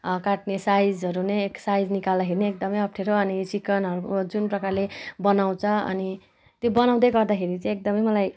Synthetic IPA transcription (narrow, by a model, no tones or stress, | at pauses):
kaʈnesajd͡zʌɾuneeksajd͡znikald̪akʰeɾineek̚d̪ʌmʌjʌp̚ʰʈʰeɾoʌnit͡sikʌnɦʌɾukod͡zunprʌkarlebʌnaw̃t͡sʰʌʌ̰ni | t̪jobʌnaw̃d̪ʌjɡʌrd̪akʰeɾit͡sʌ̃ek̚d̪ʌmʌjmʌlaj